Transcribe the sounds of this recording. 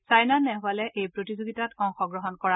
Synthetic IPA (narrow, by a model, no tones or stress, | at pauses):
sajnanɛɦwalɛʔejpɹotizoɡitatɔŋxɔɡɹɔɦɔnkɔɹa